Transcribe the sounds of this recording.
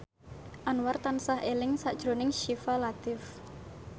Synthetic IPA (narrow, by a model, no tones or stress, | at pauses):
ʔanwart̪ansahelɪŋsaʔd̥ʒ̥ɾo̤nɪŋʃifalat̪ɪf